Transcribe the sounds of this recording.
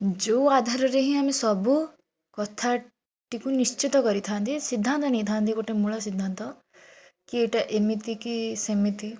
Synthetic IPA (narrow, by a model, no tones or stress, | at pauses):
d͡ʒouad̪ʱaɾɔɾeɦĩaːmesɔbu | kɔt̪ʰa | ʈikunist͡ʃit̪ɔkɔɾit̪ʰaːnt̪ʰisid̪ʱːant̪ɔnej̃t̪ʰaːnt̪ʰikoʈemuɭɔsid̪ʱːant̪ɔ | kieʈaʔemit̪ikisemit̪i